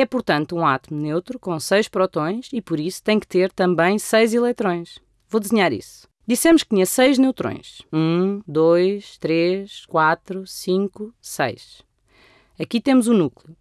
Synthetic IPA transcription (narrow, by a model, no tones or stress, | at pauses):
ɛpuɾt̪ɐ̃nt̪uũat̪umnewt̪ɾukõsɐjʃpɾɔt̪õj̃ʃipɔɾisu̥t̪ɐ̃j̃k̚t̪eɾt̪ɐ̃mbɐ̃j̃sɐjzilˠɛt̪ɾõj̃ʃ | vod̪ɨzɨɲaɾḭsu̥ | d̪isɛmʊʃk̚t̪iɲɐsɐjʒnewt̪ɾõ̰j̃ʃũd̪ojʃt̪ɾeʃkwat̪ɾusĩŋkusɐ̰jʃ | ɐkit̪emuzunuklˠju